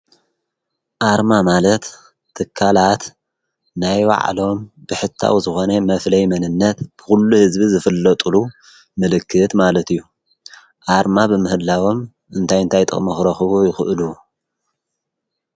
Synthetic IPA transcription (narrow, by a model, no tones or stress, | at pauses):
ʔaɾmamalɐt̪ʰː | ɨkʰːalat̪ | najwa̰ʕ̰lo̞mbɨħɨt̪ʰːa̰wzɨxo̞nɐmɐflɐjmɐnɨnːɐt̪b̥ɨ̥xulːuhɨzbizɨfɨlːɐt̪ʼulu | mɨlɨkʰːɨt̪malɐt̪ijːu | ʔaɾmabɨmɨhɨlːawo̞m | ɨnt̪ʰajɨnt̪ʰajt̪ʼɨ̰χʼmɐxɾɐxɨβujɪxɨʔɨlu